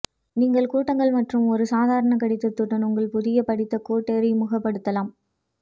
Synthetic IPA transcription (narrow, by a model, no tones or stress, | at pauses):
niːŋɡɐɭkuːʈːɐŋɡɐɭmɐʈrɯmɔɾɯsaːðaːɾɐɳɐkɐɽɪt̪ːɯt̪ːɯʈːɐnʊŋɡɐɭpʊðɪjɐpɐɽɪt̪ːɐkoːʈːeːɾimʊɣɐpːɐɽɯt̪ːɐlaːm